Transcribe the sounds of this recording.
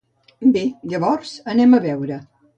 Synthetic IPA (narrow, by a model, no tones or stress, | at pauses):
beʎəβɔɾz̥ənɛməβɛwɾə